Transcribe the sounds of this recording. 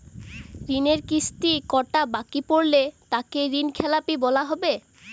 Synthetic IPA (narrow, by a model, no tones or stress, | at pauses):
ɾineɾkisʈikɔʈabakipoɾlet̪akeɾinkʰɛlapibɔlaɦɔbe